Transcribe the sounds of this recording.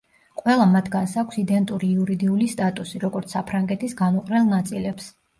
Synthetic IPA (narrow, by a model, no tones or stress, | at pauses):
qʼwɛlˠamat̪ʰɡansakʷʰsid̪ɛnt̪ʼuɾiuɾid̪iulist̪ʼat̪ʼusiɾɔɡɔɾt̪sʰapʰɾaŋɡɛt̪ʰisɡanuqʼɾɛlˠnat̪sʼilɛps